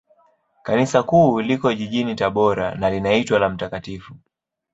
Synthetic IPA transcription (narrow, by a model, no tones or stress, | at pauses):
kanisakuːlikɔʄiʄinitaɓɔɾa̰nalinaitwalam̩takatifu